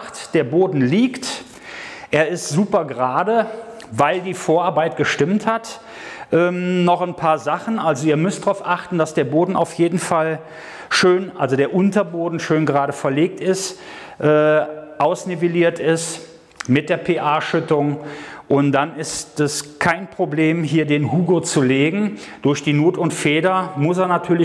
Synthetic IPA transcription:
td̥eːɐboːdn̩liːkt | ʔeːɐɪstz̥uːpɐɡəʁaːdə | vaɪldiːfoːɐʔaɐbaɪt̚ɡ̥əʃtɪmthat | ʔɛːmnɔχanpʰaːɐzaχn̩ʔalzoiːɐmʏstd̥ʁaʊfʔaχtn̩d̥asd̥eːɐboːdn̩ʔa̰ʊfjeːdn̩fal | ʃøːnʔalzodeːɐʔʊntɐboːdn̩ʃøːnɡəʁaːɾəfɛɐleːk̚tɪst | ʔɛːʔaʊsneveliːɐtɪst | mɪt̚d̥eːɐpʰeːʔaːʃʏtʊŋʔʊntd̥anɪstɛskʰaɪnpʁ̥obleːmɦiːɐdeːnhuːɡot͡suleːɡŋ̩d̥ʊɐçd̥iːnuːtʊntfeːdɐmʊs̬eːɐnatʰyːɐlɪ

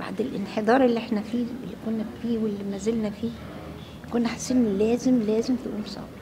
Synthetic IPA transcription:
ba̰ʕd̪elʔenħed̪ˤɑːɾˤelːiʔeħnæfiːlːikonːæfiːwelːimæzelnæfiː | jkonːæħḁsːebnilæːzemlæːzemt̪ʔṵːnsˤɑ̰b

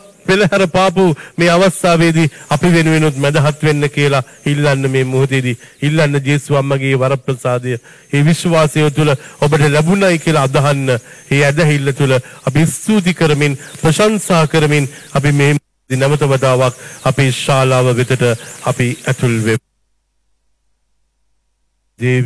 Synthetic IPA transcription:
ʋeləɦɛɾəpaːpumeːaʋast̪aːʋeːd̪iapiʋenuʋenut̪mæd̪ɐɦat̪ʋenːəkijəlailːanːəmeːmuɦut̪̬eːd̪iilːanːəd͡ʒeːsuʋamːaɡeːʋaɾəpɾəsaːd̪ejə | eːʋiʃʋaːsejot̪uləobəʈəlæbunajkiəlaːd̪aɦanːəeːæd̪æɦilːət̪uləap̬iːst̪uːt̪̬ikəɾəminpɾəʃansaɦɐkəɾəminapimeː | d̪inæʋət̪əʋət̪aːʋakapeʃaːlaːʋəʋet̪əʈəapiæt̪ulʋe | d̪eː

